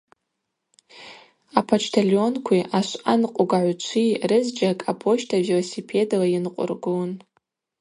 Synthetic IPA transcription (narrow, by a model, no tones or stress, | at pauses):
apʰat͡ʃʰtʰalo̞nkʷʰiʔaʃʷanqʼʊɡaʕʷut͡ʃʷʰirɨzd͡ʒakʼapʰo̞ʃtʰavilosipʰe̞dalajɪnqʷʼʊ̰rɡun